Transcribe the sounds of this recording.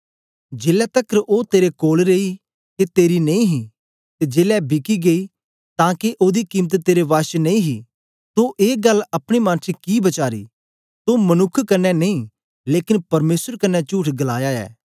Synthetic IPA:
d͡ʒeːlɛt̪ɐkʰɾʔoːt̪eːɾekoːlɾeːi | k̪et̪eːɾinɐĩɦi | t̪ed͡ʒeːlɛbʱɪkiɡei | t̪ãːkeʔoːd̪ikiːmət̪t̪eːɾeʋaːʃnɐĩɦi | t̪oʔeːɡɐlɐpɽ̃imãːnt͡ʃʰikibɐt͡ʃaːɾḭː | t̪omɐnʊkʰːkɐnːɛnɐĩ | leːkɪnpɐɾmeːsəɾkɐnːɛt͡ʃuːʈʰɡɐlaːjaɛ̰ː

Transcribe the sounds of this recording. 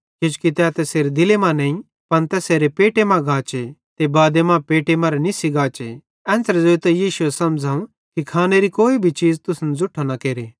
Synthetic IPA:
ket͡ʃu̥kit̪ɛt̪ɛseːɾd̪ɪlemãnɛ̃ːĩ | pɐnt̪ɛseːɾepeːʈemãɡʱaːt͡ʃet̪ebaːd̪emãpeːʈemɐ̃ɾɛnisiɡaːt͡ʃe | ɛ̃ːnsɾd͡zoːit̪ɛjiːʃuɛsɐmd͡zʱaːũ | kikʰaːneɾikoːibʱit͡ʃiːd͡zt̪ʊsnd͡zʊʈʰːanakeːɾe

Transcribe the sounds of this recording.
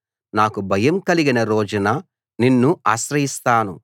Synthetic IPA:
naːkubʱɐjɐmkɐliɡinɐɾoːd͡ʒunɐ | ninːuaːʃɾɐɦist̪aːnṵ

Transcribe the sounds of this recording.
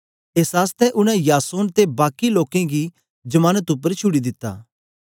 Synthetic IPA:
eːsɦaːst̪ɛʔʊñɛ̃jaːsoːnt̪ebaːkiloːkẽɡi | d͡ʒɐmaːnət̪ʊp̬ːəɾt͡ʃʰʊɽid̪ɪt̪ːa̰ː

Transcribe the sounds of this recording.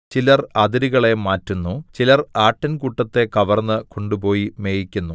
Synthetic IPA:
t͡ɕilɐrɐd̪iɾiɣɐɭe̞maːtːunːut͡ɕilɐraːʈːɐnkuʈːɐt̪ːe̞kɐʋɐrnːɨko̞ɳɖupo̞ːjime̞ːjikʲːunːu

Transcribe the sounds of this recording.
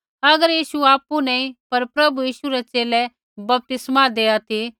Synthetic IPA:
ɐɡəɾjiːʃuaːpunɛĩpɐɾpɾɐbujiːʃuɾɛt͡ʃeːlɛ | bɐp̚t̪ɪsmad̪eːat̪ʰi

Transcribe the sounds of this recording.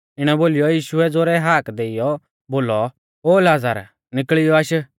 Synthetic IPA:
ɪɽ̃ɛboːlɪjɔjiːʃʊɛd͡zoːɾɛɦaːkd̪eːɪjɔ | boːlɔ | oːlaːd͡za̰ɾ | nɪkɭɪjɔaʃ

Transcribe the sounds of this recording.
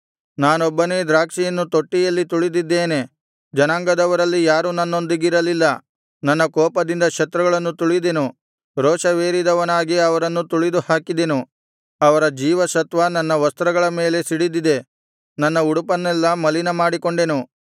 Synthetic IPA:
naːnɔbːɐne̞ːd̪ɾaːkʂijɐnːut̪o̞ʈːijɐlːit̪uɭid̪id̪ːe̞ːne̞ | d͡ʒɐnaːŋɡɐd̪ɐʋɐɾɐlːijaːɾunɐnːo̞nd̪iɡiɾɐlilːɐ | nɐnːɐkɔːpɐd̪ind̪ɐkʃɐt̪ɾɐɡɐɭɐnːut̪uɭid̪enu | ɾɔːʃɐʋeːɾid̪ɐʋɐnaːɡiɐʋɐɾɐnːut̪uɭid̪uhaːkid̪enu | ɐʋɐɾɐd͡ʒiːʋɐʃɐt̪ʋɐnɐnːɐʋɐst̪ɾɐɡɐɭɐme̞ːle̞siɽid̪id̪e̞ | nɐnːɐuɽupɐnːɛlːɐmɐlinɐmaːɽiko̞ɳɖe̞nu

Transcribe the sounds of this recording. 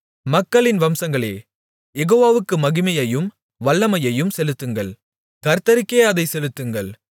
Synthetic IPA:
mɐkːɐɭɪnʋɐmsɐŋɡɐɭḛː | jɛɣoːʋaːʋɯkːɯmɐɣɪmɐjɐjɯm | ʋɐɭːɐmɐjɐjɯmsɛlɯt̪ːɯŋɡɐɭ | kɐɾt̪ɐɾɪkːeːɐðɐɪsɛlɯt̪ːɯŋɡɐɭ

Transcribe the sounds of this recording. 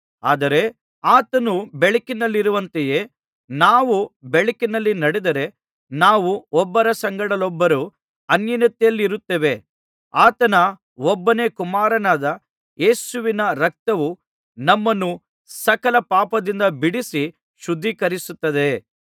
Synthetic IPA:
a̰ːd̪ɐɾe̞ | aːt̪ɐnubeɭikinɐlːiɾuʋɐnt̪eje̞ː | naːʋubeɭikinɐlːinɐɽid̪ɐɾe̞ | naːʋuɔbːɐɾɐsɐŋɡɐɽɐlɔbːɐɾu | ɐnjɐnɐt̪ːɛjɐlːiɾut̪ːeʋe | aːt̪ɐnɐ | ɔbːɐne̞ːkumaːɾɐnaːd̪ɐ | je̞ːsuʋinɐɾɐk̚t̪ɐʋu | nɐmːɐnːu | sɐkɐlɐpaːpɐd̪ind̪ɐbiɽisi | ʃud̪ʱːikɐɾisut̪ːɐd̪e̞

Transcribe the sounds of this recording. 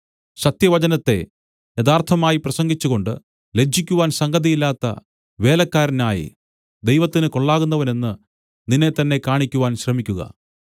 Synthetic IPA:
ɕɐt̪jɐʋɐd͡ʑɐnɐt̪ːe̞̰ | jɐd̪aːrt̪ʰɐmaːjiprɐsɐŋɡit͡ɕːuɣo̞ɳɖɨ̰ | le̞d͡ʑʱːikʲːuʋaːnsɐŋɡɐðijilːaːt̪ːɐ̰ | ʋe̞ːlɐkːaːɾɐnaːjḭ | d̪ejʋɐt̪ːinɨko̞ɭːaːɣunːɐʋɐne̞nːɨ | ninːe̞t̪ːɐnːe̞kaːɳikʲːuʋaːnɕrɐmikʲːuɣɐ̰

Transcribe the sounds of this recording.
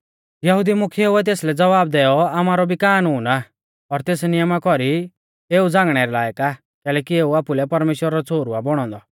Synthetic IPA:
jɐɦud̪imʊkʰieuɛt̪̬eːslɛd͡zɐʋaːb̚d̪ɛjɔamaːɾɔbikaːnuːna | ɔɾt̪eːsnijəmakɔɾi | eːud͡zãːŋɡɽ̃ɛɾɛlaːjka | kɛːlɛːkieːuaːpulɛpɐɾmeːʃwəɾaɾɔt͡sʰoːɾuabɔɽ̃ɔ̃nd̪ɔ

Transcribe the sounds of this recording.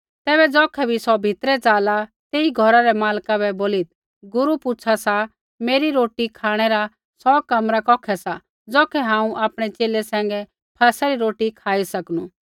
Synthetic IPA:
t̪ɛːbɛd͡zɔːkʰɛbʱisɔbʱɪt̪ɾɛt͡saːlat̪eːiɡʱɔɾaɾɛmaːlkabɛboːlit̪̚ | ɡʊɾupʊt͡ʃʰasa | meːɾiɾoːʈikʰaːɽ̃ɛɾa | sɔkɐmɾakɔːkʰɛsa | d͡zɔːkʰɛɦãːũʔaːpɽ̃ɛt͡ʃeːlɛsɛ̃ːŋ̆ɡɛ | pʰaːsaɾiɾoːʈikʰaːisɐkñu

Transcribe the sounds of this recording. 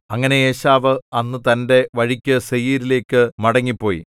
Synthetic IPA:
ɐŋːɐne̞eːɕaːʋɨɐnːɨt̪ɐnde̞ʋɐɻikʲːɨsejiːɾile̞ːkːɨmɐɽɐŋːipːo̞ːjḭ

